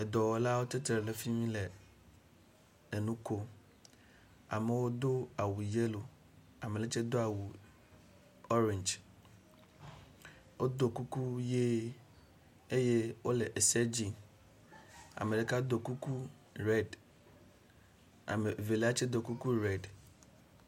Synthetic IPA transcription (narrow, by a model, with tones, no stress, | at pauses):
ɛ˨d̪ɔ˨wɔ˨la˦wo˦t̪e˦t̪ɾɛ˨le˨fi˦mĩ˦le˨ | e˨nũ˦ko˦ | a̰˨me˨wo˦d̪o˦a˨wu˨je˦lo˨ | a˨me˨le˦t͡ʃɛ˦d̪o˦a˨wu˨ | ɔ˦ɾɛ̃˨nd͡ʒ | wʔo˦d̪o˨ku˦ku˦je˦ | e˦je˦wo˦le˨ʔe˨sɛ˦d͡ʑi˨ | a̰˨me˨le˨ka˦d̪o˨ku˦ku˦ | ɾɛ˦d | a̰˨me˨ve˨le˦a˦t͡ʃe˦d̪o˨ku˦ku˦ɾɛ˦d